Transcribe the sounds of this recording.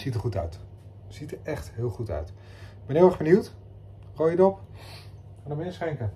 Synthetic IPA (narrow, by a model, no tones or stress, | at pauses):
z̥itəɹχutœ̰ɥt | z̥itəɹɛχtɦɪːlˠχutœ̰ɥt | b̥ɛnɪlˠɛχbəniwt | rojədɔp | χaːndəmənɪːsχɛŋkə